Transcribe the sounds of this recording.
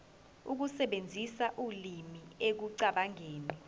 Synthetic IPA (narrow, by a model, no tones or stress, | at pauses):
uk̬usɛɓend͡zʱisaʔulimiek̬uǀaɓaŋeːni